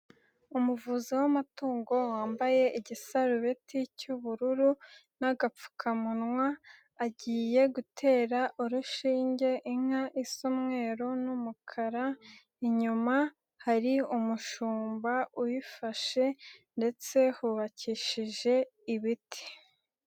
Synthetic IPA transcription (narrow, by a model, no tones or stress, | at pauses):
umuvuziwamatuːŋɡo̞waːmbaje̞iɟisaɾuɾetʰicuβuɾuɾu | naɡap͡fu̥kʰamunŋwaː | ɟiːje̞ɡutʰe̞ːɾaʔuɾuʃiːɲɟe̞ʔiŋ̥aʔisomŋe̞ːɾo̞numukʰaɾa | iɲuma | haɾiumuʃuːmbaujifaʃe̞nde̞t͡se̞huβaciʃiʒe̞iβitʰi̥